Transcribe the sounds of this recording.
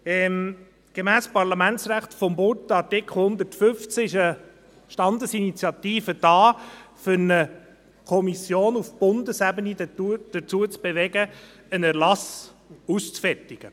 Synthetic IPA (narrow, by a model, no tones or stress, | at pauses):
ɛm | ɡ̥emæːspɑɾlɑmænt͡sɾæχtfɔmbʊtɑtɪkʰl̩ˠhʊnd̪ətfʏft͡sɪʃə | ʃtɑnd̪əsinit͡sjɑt̪iːfəd̥ɑːfʏɾnə | kʰɔmisjoːnufb̥ʊnd̪əsæbənidd̥ət͡suət͡sb̥eʋɛɡə | ənæɾlɑsust͡sfɛrtiɡ̥ə